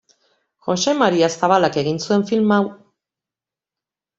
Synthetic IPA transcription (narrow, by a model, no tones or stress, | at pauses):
xo̞se̞maɾiasaβalake̞ɣinsue̞ɱfilmaw